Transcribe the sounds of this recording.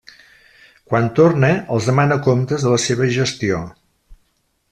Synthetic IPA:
kwant̪orneəlˠzðəmanəkomt̪əzðələseβ̞əʒəst̪io

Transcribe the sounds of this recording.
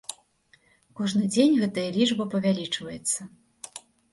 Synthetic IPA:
kɔʐnɨd͡zʲenʲɣɛt̪ɐjɐlʲit͡ʂbɐpɐvʲalʲit͡ʂvɐjɛt̪sːɐ

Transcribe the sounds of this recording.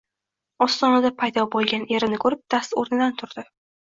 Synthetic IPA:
ɒst̪ɒnad̪apʰajd̪ɒbolˠɡʲanʔe̞ɾɪnɪkʰɵɾɪp̚d̪̥ast̪oɾnɪd̪ant̪ʰʊɾd̪̥ɪ

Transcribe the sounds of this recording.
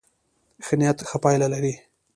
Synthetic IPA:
xnijat̪xəpɑjlalaɾi

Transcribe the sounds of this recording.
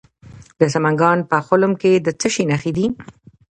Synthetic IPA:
d̪əs̬amaŋɡɑnpəxʊlʊmked̪ət͡səʃinaxid̪i

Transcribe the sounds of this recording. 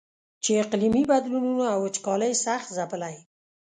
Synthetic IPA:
t͡ʃeɪqlimibad̪lununoawət͡ʃkɑləjsaxt̪zapəlaj

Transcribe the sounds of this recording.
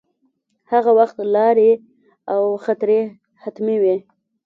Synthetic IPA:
haɣawaxt̪lɑɾe | awxat̪ɾe | hat̪miwe

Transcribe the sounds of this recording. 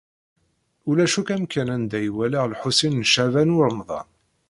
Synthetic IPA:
ulæʃukæmkːænænd̪æjwælaʁlħusinːʃævænʊɾənðˤɑ̰n

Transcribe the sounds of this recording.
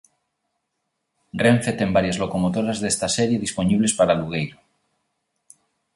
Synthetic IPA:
rẽɱfet̪embaɾjazlokomot̪oɾazðest̪aseɾjeðisponiβlespaɾaluɣ̞ejɾo

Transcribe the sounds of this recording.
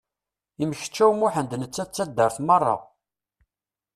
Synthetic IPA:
iməçə̥t͡ʃːæwmuħənd̪nət͡sːæt͡sːæd̪ːəɾθmərˤːɑ̰

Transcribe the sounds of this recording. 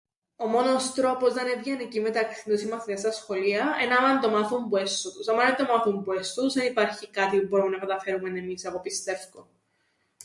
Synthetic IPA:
o̞mo̞nost̪ɾo̞pozðɐnevʝɐnecime̞t̪ɐksinosimɐθiɐst̪ɐsxo̞liɐenɐmɐnt̪o̞mɐθumbuest̪ot̪usɐmɐnɐt̪omɐθumbue̞st̪uzðenipɐɾçikɐt̪ipubo̞ɾumnɐkɐt̪ɐfe̞ɾumenemisɐpopist̪e̞fko

